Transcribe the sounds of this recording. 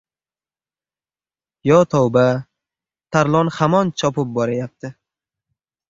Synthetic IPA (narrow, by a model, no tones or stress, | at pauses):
jɒt̪ʰɒwba | t̪ʰaɾlˠɒnhamɒnt͡ʃʰɒpɪp̚bɒɾajap̚t̪ʰɪ